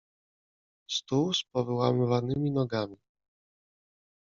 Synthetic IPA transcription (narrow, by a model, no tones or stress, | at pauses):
st̪uwspɔvɘwamɘvanɘmʲinɔɡamʲi